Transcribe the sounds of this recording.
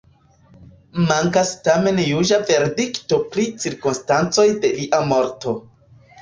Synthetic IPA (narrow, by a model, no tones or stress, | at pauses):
maŋkastame̞njuʒave̞ɾdikto̞pɾit͡siɾkunstant͡so̞jde̞liʔamo̞ɾto̞